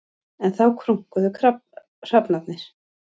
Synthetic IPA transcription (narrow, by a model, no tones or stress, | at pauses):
ɛnθawkʰɾuŋ̥kʏðʏkʰɾa | r̥apnat̪nɪɾ̥